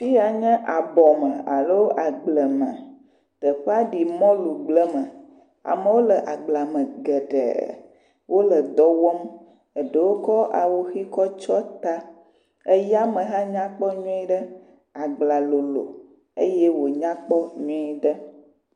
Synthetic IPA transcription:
fi˦ja˨ɲɛ̃˦ʔa˨bɔ˨mə̃˨a̰˨lo˦wʔa˨ɡ͡blə˨mə̰̃˨ | t̪ə˨ɸə˦a˦ɖi˨mɔ̃˦lu˨ɡ͡blə˦mə˨ | a̰˨mə˦wo˦lə˨ʔa˨ɡ͡bla˨mə̃˨ɡə˨ɖə̰˨ | wʔo˦lə˨d̪ɔ˦wɔ˦m | ə˨ɖə˨wo˦kɔ˦ʔa˨wo˦xi˦kɔ˦t͡ʃɔ˦t̪a˦ | ə˦ja˦mə̃˨ɦã˦ɲã˦k͡pɔ˦ɲɔ̃˦i˦ɖə˦ | a˨ɡ͡bla˨lo˨lo̰˨ | ə˦je˦wo˨ɲã˦k͡pɔ˦ɲɔ̃˦i˦ɖə˦

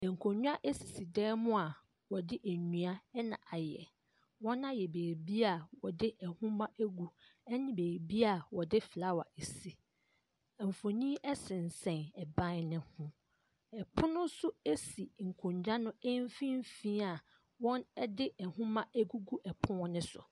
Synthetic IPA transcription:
ɛ˨ŋ̩˨kʰõ˨ɲᶣ˦a˦ʔe˦si˨si˨dɛː˦mʊ̃˦a˨ | wɔ˨dɪ˦ʔæ˨ɲũ˨a˦ɛ˦nã̰˨ʔa˨jɛ̰˨ | wɔ̃˦nã˦jɛ˨beː˨ɾbi˦a˨wɔ˨dɪ˦ʔɛ˨hʊ̃˦mã˦ʔæ˦ɡu˨ɛ˦nɪ̃˦beː˨ɾbi˦a˨wɔ˨dɪ˦fla˦wa̰˨ʔe˨si˦ | ɛ˨m˨fo˨ɲĩ˦ɛ˦sɪ̃˨n̩˨sɛ̃˨nɛ˨bã˦nɪ̃˦hʊ̃˦ | ɛ˨pʰʊ̃˦nʊ̃˦sʊ˦e˦si˨ŋ̩˨kʰʊ̃˨ɲd͡ʑa˦nʊ̃˦e˦m˦fĩ˦m˦fĩː˦a˨ | wɔ̃˦nɛ˦dɪ˦ʔɛ˨hʊ̃˦mã˦ʔæ˦ɡu˦ɡu˦ʔɛ˨pʰʊ̃˦wɔ̃˦nɪ̃˦sʊ̰˨

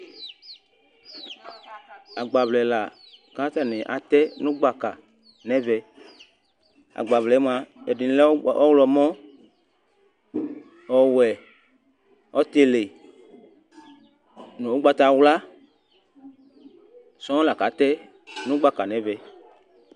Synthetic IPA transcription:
a˨ɡ͡ba˨vlɛ˨la˨ | ka˨˦t̪a˦˨nẽ˨ʔa˨t̪ɛ˦nũ˦ɡ͡ba˨ka˨ | nɛ˦vɛ˧ | a̰˨ɡ͡ba˨vlɛ˨˦m˦a˨ɛ˨di˨˦lɔ˦wlɔ˧mɔ̃˦ | ɔ˨wɛ˨ | ɔ˦t̪e˨le˨ | nũ˨wo˦ɡ͡ba˧t̪a˧wla˦ | sɔ̃˦la˨ka˨˦t̪ɛ˦ | nũ˦ɡ͡ba˨ka˨nɛ̃˦vɛ˨

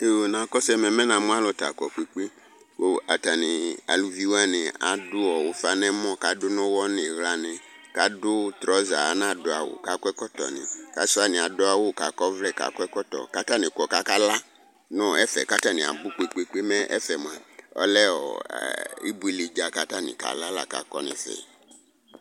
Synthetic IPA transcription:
te˨nã˨kɔ˦sɛ˦mɛ˨mɛ̃˦nã˨m̃˦a˦lɔ˦ta̰˨kɔ˨k͡pe˨k͡pe˦ | wo˨a˨ta˨nɪ˨a̰˨lu˨vi˨˦wa˦nɪ̃˨a̰˨dʊ˦ɔ˨wo˨fa˨nɛ˦mɔ̃˦ka˨dʊ˦nɔ̃˦wɔ˦nɪ̃˨ɣla˨nɪ̃˨ka˨dʊ˦t̪ɾɔ˨˦za̰˨a˨˦nã˦˨dʊ˨a˨wʊ̰˨ka˨kɛ˦kɔ˦tɔ̰˨nɪ̰̃˨ka˨˦sʊ˦a˦nɪ̃˨a˨dʊ˦a˦wʊ˦˨ka˨kɔ˦vlɛ˦˨ka̰˨kɛ˦kɔ˦tɔ̰˨ka˦ta˦nɪ̃˨kɔ˨ka˦ka˦la˦ | nɔ̃˦ɛ˦fɛ̰˨ka˦ta˦nɪ̃˨a̰˨bʊ˦k͡pe˨k͡pe˨k͡pe˦mɛ˦ʔɛ̰˦fɛ˨m˨a˨ɔ̰˦lɛ˦ɔ̰˨ | ḭ˦bu˦i˦li˨d͡ʒa˨ka˦ta˦nɪ̰̃˨ka̰˨la˦la̰˦˨ka̰˨kɔ̰˦nɪ̰̃˨fɛ̰˨

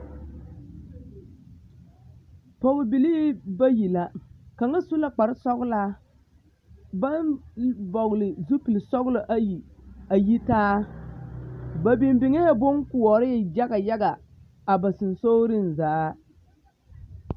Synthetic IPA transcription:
pɔ˨ɣʊ˨bi˨li˦ba˦ji˨la˦ka˨ŋa˦su˦la˦k͡pa˨ɾɪ˦sɔ˦ɣʊ˦laː˦ | ba˦nbɔ˨ɣʊ˨lɪ˨zu˦pi˨lsɔ˦ɣʊ˦lo˨ʔa˦ji˨a˨ji˦taː˦ | ba˨bi˨mbɪ˨ŋe˦jbo˦ŋkʊ˨ɔ˨ɾɪ˦˨d͡ʒa˦ɡa˨ja˦ɡa˨ | a˨ba˨sɨ˨n˨so˦ɾɪ˦nzaː˨˦

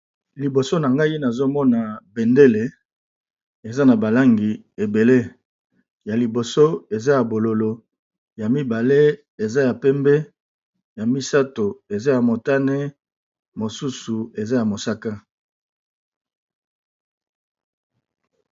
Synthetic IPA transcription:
li˨bo˨so˦na˨ŋɡa˦i˦na˨zo˦mɔ˦na˨be˨nde˦le˨ | e˨za˦na˨ba˨la˦ŋɡi˨ | e˨be˨le˦ | ja˨li˨bo˨so˦e˨za˦ja˨bo˨lo˨lo˨ | ja˨mi˦ba˨le˦ | e˨za˦ja˨pɛ˦mbɛ˦ | ja˨mi˦sa˦to˨e˨za˦ja˨mo˨ta˦ne˦ | mo˨su˦su˨e˨za˦ja˨mo˨sa˦ka˦

